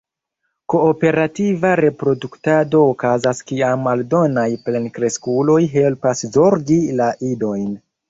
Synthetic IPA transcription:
ko̞ːpe̞ɾativaɾe̞pɾo̞duktado̞ːkazaskiamːaldo̞najplenkɾe̞skulo̞jɦe̞lpaszo̞ɾɡilaʔido̞jn

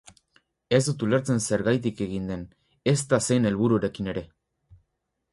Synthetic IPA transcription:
e̞zd̪ut̪uleɾt͡se̞nse̞ɾɣajt̪ike̞ɣind̪e̞n | e̞st̪ase̞jne̞lβuɾuaɾe̞kine̞ɾe̞

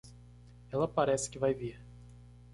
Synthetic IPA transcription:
ɛlɐpaɾɛsɪ̥kɪvajviɾ

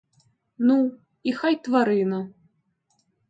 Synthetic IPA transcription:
nu | ixajt̪vaɾɨnɐ

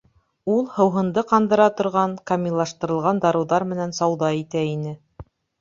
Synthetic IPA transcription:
ulˠhɤ̆wɦɤ̆nd̪ɤqɑnd̪ɤ̆ɾɑt̪ŏɾʁɑŋkamʲilˠːɑʃt̪ɤ̆ɾɤ̆lˠʁɑnd̪ɑɾɤ̆wðɑɾmɘ̆nænsɑwðɑit̪æinɘ

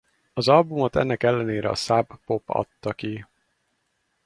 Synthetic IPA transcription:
ɒzɒlbumo̞t̪ɛ̰nːɛkɛlːɛneːɾɛ̰ɒ̰sabːo̞pɒ̰t̪ːɒki

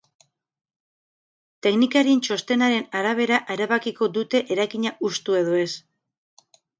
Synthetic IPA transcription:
t̪e̞knikaɾint͡ʃo̞st̪e̞naɾe̞naɾaβ̞e̞ɾaʔeɾaβakiko̞d̪ut̪e̞ʔeɾajkiɲaʔust̪ue̞ð̞oe̞s

